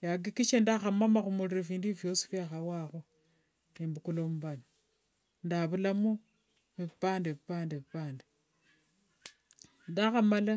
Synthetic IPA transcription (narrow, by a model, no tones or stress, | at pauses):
jaɡikit͡ʃendaxamamaxumuliɾefiːndifjosi̥fjaxawaxo | nembukulomubana | ndaβulamu | βipaːndeβipaːndeβipaːnde | ndaxamala